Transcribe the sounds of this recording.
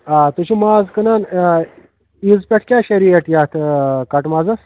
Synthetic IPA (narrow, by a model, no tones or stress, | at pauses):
at̪uɕʰumaːzkənan | izpʲeʈʰkʲjaːɕeɾieʈjaːt̪ʰkɐʈmad͡zas